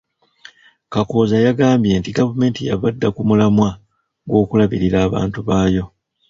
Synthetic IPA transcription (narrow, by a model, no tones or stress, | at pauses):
kako̞ːzajaɡaːmbje̞ntiɡavume̞ːntija̰βadːakumulamwa | ɡwo̞ːkulaβiɾiɾaːβa̰ːntuβaːjo̞